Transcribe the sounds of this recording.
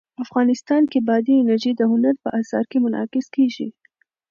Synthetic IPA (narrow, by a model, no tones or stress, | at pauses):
afɣɑnɪst̪ɑnkebɑd̪iɪnaɾʒid̪əhʊnaɾpəʔasɑ̰ɾkemʊnɑ̰kɪskeʒḭ